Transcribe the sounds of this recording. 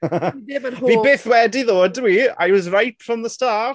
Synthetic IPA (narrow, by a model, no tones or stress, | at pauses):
dɪmənhvibeːθwɛdiðoːd̚ɪwia̰wɔzrajtfɹɔmðəstaː